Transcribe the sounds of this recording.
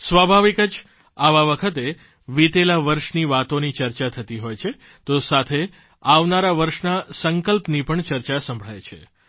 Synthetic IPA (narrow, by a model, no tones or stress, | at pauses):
sʋabʱaʋikəd͡ʒ | aʋaʋəkʰət̪e | ʋit̪elaʋəɾʃniʋat̪onit͡ʃəɾt͡ʃat̪ʰət̪iɦojt͡ʃʰe | t̪osat̪ʰe | aʋnaɾaʋəɾʃnasəŋkəlpnipəɳt͡ʃəɾt͡ʃasə̃mbʱɭ̤ajt͡ʃʰḛ